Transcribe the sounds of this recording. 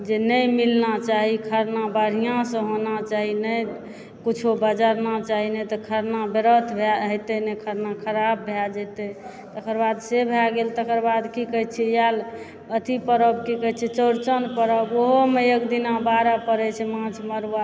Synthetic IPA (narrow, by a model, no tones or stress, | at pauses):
d͡ʒenəjmilnat͡ʃaɦikʰəɾnabəɽ̤ijãsə̃ɦonat͡ʃaɦinəj | kit͡ʃʰobəd͡ʒaɾnat͡ʃaɦinet̪ɔkʰəɾnabeɾət̪ʰbʱɛɦəjt̪ɛnekʰəɾnakʰəɾab̚ːʱɛd͡ʒət̪ɛ | t̪əkʰəɾbad̪sebʱɛaɡelt̪əkəɾbad̪kikəɦt͡ʃʰɛjal | ət̪ʰipəɾəbkikəɦt͡ʃʰɛt͡ʃəɾt͡ʃənpəɾəboɦomeekd̪inabaɾapəɾɛt͡ʃʰɛmãt͡ʃʰməɾwa